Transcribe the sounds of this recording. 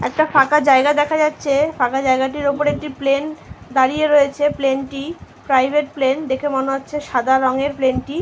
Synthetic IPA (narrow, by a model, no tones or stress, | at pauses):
ɛkʈafakad͡ʑaeɡad̪ɛkʰad͡ʑatːɕʰefakad͡ʑaeɡaʈ̬iɾopoɾek̚ʈiplend̪aɾijeɾojet͡ɕʰeplenʈi | pɾajbʱeʈ̚plend̪ekʰemoneotːɕʰeʃad̪aɾɔŋeɾplenʈi